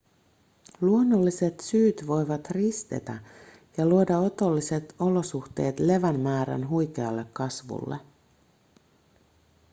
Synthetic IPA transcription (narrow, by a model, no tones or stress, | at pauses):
luo̞nːolːise̞t̪syːt̪ʋo̞jʋɑt̪rist̪e̞̰t̪æ | jɑluo̞dɑo̞t̪o̞lːise̞t̪o̞lo̞suxt̪e̞ːt̪le̞ʋænmæːɾæ̰nɦujk̟e̞ɑlːe̞kːɑsʋṵlːḛ